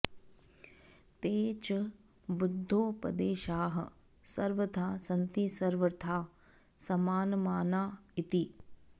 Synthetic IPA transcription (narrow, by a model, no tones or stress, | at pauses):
t̪eːt͡ʃ | bʊd̪ʱːoːpɐd̪eːʃaːɦɐ̰̆ | sɐɾʋət̪ʰaːsɐnt̪isɐɾʋəɾt̪ʰaː | sɐmaːnmaːnaːɪt̪i